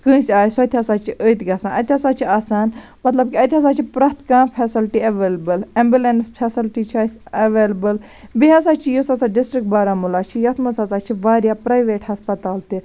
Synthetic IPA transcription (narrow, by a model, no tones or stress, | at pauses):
kɨ̃ːsʲaːjsɐt̪ʲiɦɐsaːt͡ʃʰiʔəjt̪ɡɐsãːɐt̪ʲiɦɐsaːt͡ʃʰiaːsaːn | mɐt̪lɐb̚kiɐt̪ʲɦɐs̬aːt͡ʃʰipɾɐːt̪kãːpʰɛːsilʈiɐʋeːlbɐlɐ̃mbjulenspʰɛːsilʈit͡ʃʰaːsɐʋeːlbɐl | biɦɐsaːt͡ʃʰijusɐsaːɖɪsʈɾik̚ʈ̚baːɾaːmulaːt͡ʃʰijɐt̪ʰmɐsɐsaːt͡ʃʰiʋaːɾjaːpɾaːjʋeːʈhɐspɐt̪aːlt̪i